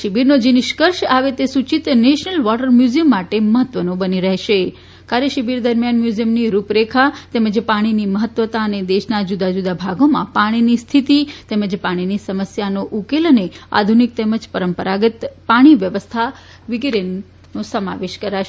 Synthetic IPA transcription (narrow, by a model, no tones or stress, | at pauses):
ʃibiɾnod͡ʒinɪʃkəɾʃaʋet̪esut͡ʃit̪neʃnəlʋɔʈəɾmjuzijəmːaʈeməɦət̪ːʋənobəniɾəɦʃe | kaɾjəʃibiɾd̪əɾmjanmjuzijəmniɾupɾekʰat̪eməd͡ʒpaɽ̃iniməɦət̪ːʋət̪aəned̪eʃnad͡ʒud̪ad͡ʒud̪abʱaɡomã̰paɽ̃inist̪ʰit̪it̪eməd͡ʒpaɽ̃inisəməsjanoʔukelənea̰d̪ʱunik̚t̪eməd͡ʒpəɾəmpəɾaɡət̪paɽ̃iʋjəʋəst̪ʰa | ʋɪɡɾenː | osəma̰ʋeʃkəɾaʃ